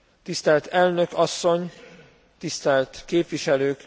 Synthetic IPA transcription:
t̪ist̪ɛlt̪ɛlnø̞kɒsːo̞ɲ | t̪ist̪ɛlt̪keːpʋiʃɛløːk

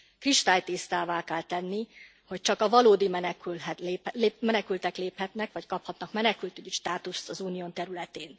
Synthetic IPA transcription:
kriʃt̪aːjt̪ist̪aːvaːkɛlt̪ɛnːi | ho̞c̚t͡ʃɒkɒvɒloːd̪imɛnɛkylɦɛleːlːmɛnɛkylt̪ɛkleːphɛt̪nɛkʋɒckɒphɒt̪nɒkmɛnɛkylt̪yɟiʃt̪aːt̪ust̪ɒzuːnijoːnt̪ɛɾylɛt̪eːn

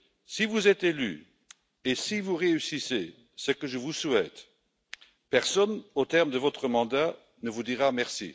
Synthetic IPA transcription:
sivuzɛt̪ely̰ | esivuʁeysise | səkəʒəvuswɛt̪ | pɛʁsɔnot̪ɛʁmd̪əvɔt̪χəmɑ̃d̪a | nəvud̪iʁamɛʁsḭ

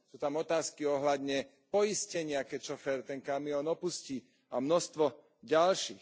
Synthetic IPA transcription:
suːt̪amɔt̪aːskiɔɦlad̪ɲɛ | pɔjiscɛɲɪakɛcʃɔfɛɾt̪ɛnkamiɔnɔpusciː | amnɔst̪ʋɔ | ɟalʃiːx

